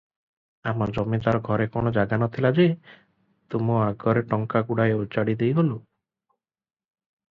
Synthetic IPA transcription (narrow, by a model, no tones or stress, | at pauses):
amɔd͡ʒɔmit̪aɾɔɡʱɔɾekɔɽ̃ɔd͡ʒaɡanɔt̪ʰilad͡ʒe | t̪umɔaɡɔɾeʈɔŋkaɡuɽaeut͡ʃaɽid̪ejɦolu